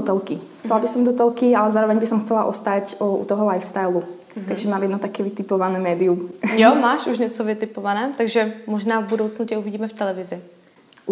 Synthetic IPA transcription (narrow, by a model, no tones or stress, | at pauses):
ɔt̪ɛlkixt͡sɛlabisɔmd̪ɔt̪ɛlkialɛzaːɾɔʋɛɲbisɔmxt͡sɛlaʔɔ̰st̪acṵt̪ɔɦɔlajfst̪ajlu | t̪aɡʒɛmaːmjɛd̪nɔt̪akɛːʋit̪ɪpɔʋanɛːmɛːd̪iumjɔmaːʃuʒɲɛt͡sɔvɪt̪ɪpɔvanɛːt̪aɡʒɛmɔʒnaːvbudoʊt͡snutɛuviɟiːmɛft̪ɛlɛvɪzɪ